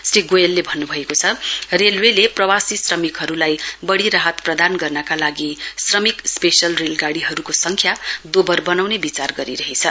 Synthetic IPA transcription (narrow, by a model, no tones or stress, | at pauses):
sriɡojelːebʱʌnːubʱʌekot͡sʰʌrelweleprʌwasisrʌmikɦʌɾulajbʌɽiɾaɦʌt̪prʌd̪anɡʌrnʌkalaɡisrʌmikspesʌlrelɡaɽiɦʌɾukosʌŋkʰjad̪obʌrbʌnawnebit͡sarɡʌɾiɾʌɦet͡sʰʌ